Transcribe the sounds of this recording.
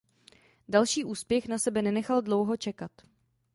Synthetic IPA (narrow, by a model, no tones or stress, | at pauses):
dalʃiːʔuːspjɛxnasɛbɛnɛnɛxaldlowɦot͡ʃɛkat̪